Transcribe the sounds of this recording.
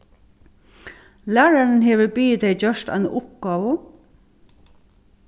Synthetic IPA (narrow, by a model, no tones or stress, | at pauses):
læːɹæɹn̩heːʋəbiːd̪eɪd͡ʒœʃt̪æ̰ɪn̰ʔʊp̚ɡ̥ɑːʋə